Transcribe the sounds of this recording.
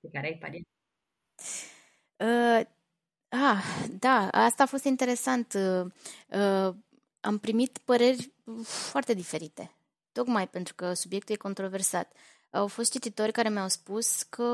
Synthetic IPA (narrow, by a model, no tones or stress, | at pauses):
kekaɾeajpa̰lien | ə | ad̪aast̪aːfo̞st̪int̪e̞ɾe̞sant̪ə | ə | a̰mpɾimit̪pəɾe̞rʲfoart̪e̞d̪ife̞ɾit̪e | t̪o̞kmajpe̞nt̪ɾukəsubje̞k̚t̪uljeko̞nt̪ɾo̞ve̞rsat̪ | a̰wfo̞st̪̚t͡ʃit̪it̪o̞rʲkaɾe̞mawspuskʰə